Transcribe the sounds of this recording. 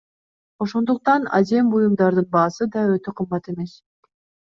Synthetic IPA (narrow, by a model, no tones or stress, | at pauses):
o̞ʃo̞nd̪uq̚t̪ɑnɑ̰ze̞mbujumd̪ɑɾd̪ɯnbɑːsɯd̪ɑøt̪øqʰɯmbɑt̪e̞me̞s